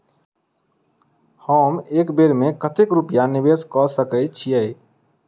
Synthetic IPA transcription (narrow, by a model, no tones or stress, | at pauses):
həmekbeɾmekət̪ekɾupijanibeskɔsəkət͡ʃʰijɛj